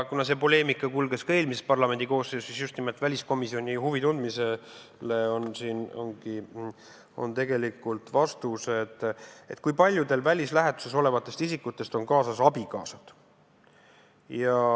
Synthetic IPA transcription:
kunɑse̞po̞le̞ːmikːˑɑkulɡ̥e̞skɑe̞ːlmisespɑrlɑme̞nd̪iko̞ːsːeːsisjust̪nimelt̪vælʲisko̞misio̞nʲihuvit̪und̪mise | le̞o̞nsiːno̞̰ŋɡi | o̞̰nt̪e̞ɡ̥e̞likːult̪vɑst̪use̞t̪ːˑet̪̚ːˑkujpɑlʲjud̪e̞lvælʲislæɦe̞t̪u̥se̞so̞le̞vɑt̪ːˑe̞st̪isikːut̪ːˑe̞st̪o̞nkɑːsɑsɑbikɑ̰ːsɑd̪̥ | jɑ

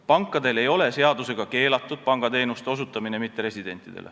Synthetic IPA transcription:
pɑŋkːˑɑd̪e̞le̞jo̞le̞se̞ɑd̪use̞ɡ̥ɑke̞ːlɑt̪ːˑud̪̥̚pɑŋɡ̥ɑt̪e̞ːnust̪e̞o̞s̬ut̪ˑːɑmine̞mit̪ːeɾe̞sʲid̪̥e̞nt̪ːˑid̪e̞̰lʔḛ

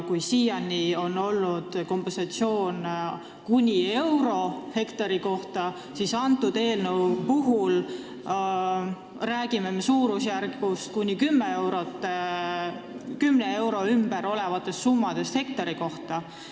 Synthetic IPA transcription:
kujsiːjɑnːio̞no̞lnud̪̥ko̞mpensɑt̪sio̞ːn | kunʲie̞wɾo̞he̞kt̪ɑɾiko̞ht̪ɑ | sisɑnt̪ːˑud̪̥e̞ːlnewpuɦul | ræːɡ̥ime̞mesuːɾusjærɡust̪̚kunʲikymːeewɾot̪ˑːe | kymnee̞wɾo̞ymb̥e̞ɾo̞le̞vɑt̪ːˑe̞st̪sumːɑd̪̥e̞st̪he̞k̚t̪ɑɾiko̞ht̪ɑ

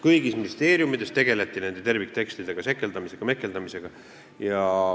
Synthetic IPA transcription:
kɯjɡisminist̪e̞ːɾjumid̪̥e̞st̪e̞ɡ̥e̞le̞t̪ˑːine̞nd̪e̞t̪e̞rvik̚ːt̪e̞kst̪id̪e̞ɡ̥ɑse̞kːˑe̞ld̪ɑmise̞ɡ̥ɑme̞kːˑe̞ld̪ɑmise̞ɡ̥ɑ | jɑ

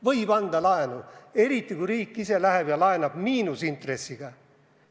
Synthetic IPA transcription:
vɤjbɑnd̪ɑlɑenue̞ɾit̪ːˑikuɾiːkːise̞læɦeb̥jɑlɑenɑb̥miːnusint̪re̞sːiɡ̥ɑ

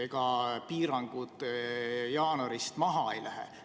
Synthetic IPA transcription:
eɡ̥ɑpiːɾɑŋɡ̥ud̪̥ | jɑːnoɾist̪mɑɦɑe̞jlʔæɦḛ

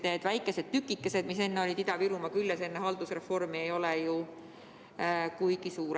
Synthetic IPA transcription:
ne̞d̪̥væjkːˑe̞se̞d̪̥̚t̪ykːˑikːˑese̞d̪̥mise̞nːeo̞lʲid̪id̪ɑviɾumɑkyljese̞nːeɦɑld̪usre̞fo̞rmiejo̞leju | kujɡ̥isuːɾ

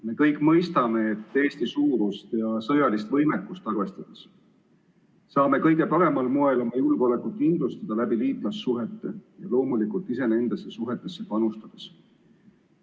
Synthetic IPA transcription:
me̞kɤjkːˑmɤ̞jst̪ɑme̞et̪ːe̞ːst̪isuːɾust̪jɑsɤjɑlist̪vɤ̞jmɛkːˑust̪ɑrve̞st̪ɑd̪̥ɑs | sɑːme̞kɤjɡ̥e̞pɑɾe̞mɑlmoe̞lo̞mɑjulɡ̥ole̞kut̪ːkind̪lust̪ɑd̪̥ɑlæbiliːt̪ˑlɑsːuɦe̞t̪ːe̞̰jɑ̰lo̞ːmulikˑult̪ːˑise̞ne̞nd̪̥esːe̞suɦe̞t̪ːˑe̞sːe̞pɑnust̪ɑd̪̥e̥s

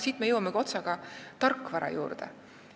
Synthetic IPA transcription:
siːt̪mejɤwɑmeɡo̞t̪sɑɡ̥ɑt̪ɑrkːˑvɑɾɑ̰jṵːrd̪̥ḛ

